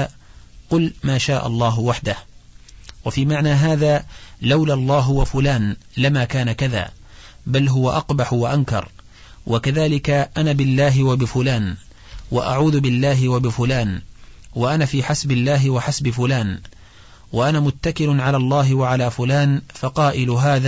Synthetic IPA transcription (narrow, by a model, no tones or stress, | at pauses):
qʊlmaːʃaːʔɑ̰lˤːɑːɦʊwaħd̪ah | wafiːmaʕnaːɦaːðaːlawlalˤːɑːɦwafʊlaːnlamaːkaːnakaða̰ː | balɦʊwaʔɑqbaħʊwaʔankɑ̰ɾˤ | wʔakaðaːlɪkaʔanaːbɪlːaːɦɪwabɪfʊlaːn | waʔa̰ʕuːðʊbɪlːaːɦɪwabɪfʊlaːnwaʔanaːfiːħasbɪlːaːɦɪwaħasbɪfʊlaːn | waʔanaːmʊt̪ːakɪlʊnʕalaːlˤːɑːɦɪwaʕalaːfʊlaːnfɑqɑːʔɪlʊɦaːðaː